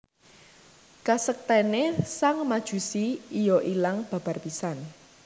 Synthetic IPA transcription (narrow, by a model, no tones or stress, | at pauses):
kasək̚t̪ɛnesaŋmad̥ʒ̥ṳsiːjɔʔilaŋb̥ä̤b̥a̤rpisan